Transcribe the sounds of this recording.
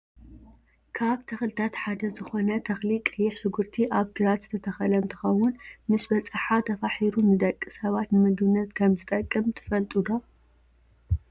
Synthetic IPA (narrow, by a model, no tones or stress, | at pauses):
kʰaβt̪ʰɐxlɨt̪ʰat̪ħad̪ɐzɨxo̞nɐt̪ʰɐxlikʼɨjːɪħʃʊɡuɾt̪ʰiʔaβɡɨɾat̪zɨ̥t̪ʰɐt̪ʰɐxɐlɐnt̪ʰɨ̥xɐwʊnmɨsbɐt͡sʼɨħat̪ʰɐfaħiɾumɨd̪ɐkʼːisɐβat̪nɨmɨɡbɨnːɐt̪kʰɐmzɨt̪ʼɐkʼːɨmt̪ʰɨ̥fɐlt̪ʼud̪o